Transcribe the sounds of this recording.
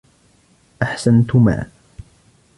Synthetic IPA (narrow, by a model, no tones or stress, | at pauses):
ʔaħsant̪ʊma̰ː